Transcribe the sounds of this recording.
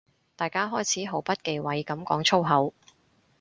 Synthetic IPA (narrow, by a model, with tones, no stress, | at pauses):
t̪aː˨jkaː˥ɦɔː˥jt͡sʰiː˨˥ɦo˨˥wpɐ˥t̚ke˨˧jwɐ˨˧jkɐ˨˥mkɔː˨˥ŋt͡sʰo˥wɦɐ˨˥w